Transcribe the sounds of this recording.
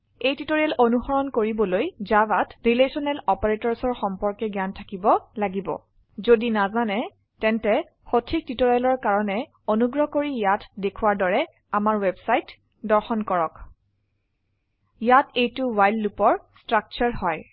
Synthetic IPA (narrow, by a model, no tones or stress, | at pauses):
ejtitoɹiɛlonuxɔɹɔnkoɹibɔlojzabatɹilesɔnɛlɔpaɹetɔɹsɔɹxɔmpɔɹkɛɡjantʰakibɔlaɡibɔ̰ | zodinazanɛ | tɛntɛ | xotʰik̚titoɹiɛlɔɹkaɹɔnɛ | onuɡɹɔkoɹijatdekʰuwaɹdɔɹɛ | amaɹwɛbsajt | dɔɹxɔnkɔɹɔk | jatejtʊwajlːupɔɹstɹak̚t͡ʃaɹhɔj